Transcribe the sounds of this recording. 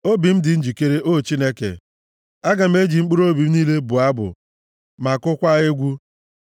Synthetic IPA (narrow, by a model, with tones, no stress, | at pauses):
o˦bi˨m̩˦dɪ˨n̩˦d͡ʒi˨ke˦ɾe˦ʔo˦˨t͡ʃi˦ne˦kḛ˨ | a˦ɡa˨m̩˦e˦d͡ʒi˨ŋ͡m̩˦k͡pu˦ɾo˦bi˨m̩˦niː˦le˦bu˨a˦bʊ̰˨ | ma˨kʊ˦kʷa˦ɣɪ˦ɡʷu˦